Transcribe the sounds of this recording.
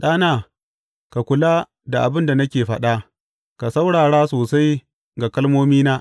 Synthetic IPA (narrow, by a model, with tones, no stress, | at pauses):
ɗaː˦naː˦˨ | ka˨kʷʊ˨laː˦ | da˨ʔa̰˨bɪ˦nda˨nɐ˦kʲeː˨ɸɐ˦ɗa˦ | ka˨sa˦wɽaː˨ɽaː˦soː˨sa˦j | ɡa˨kɐ˦lmoː˦miː˦naː˦ʔ